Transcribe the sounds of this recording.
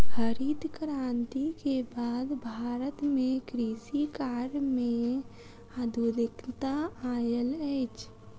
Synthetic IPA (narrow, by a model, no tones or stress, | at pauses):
həɾid̪ʱkɾãːnt̪ikebaːd̪bʱaːɾət̪mẽkɾiːsikaːɾmẽ | ad̪ʱud̪ɪkt̪aaːjəlɛt͡ʃʰ